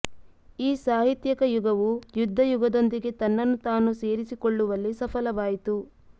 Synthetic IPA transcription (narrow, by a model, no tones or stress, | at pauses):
iːsaːɦit̪jɐkɐjuɡɐʋujud̪ʱːɐjuɡɐd̪o̞nd̪iɡe̞t̪ɐnːɐnːut̪aːnuseːɾisikoɭːuʋɐlːisɐpʰɐlɐʋaːjit̪u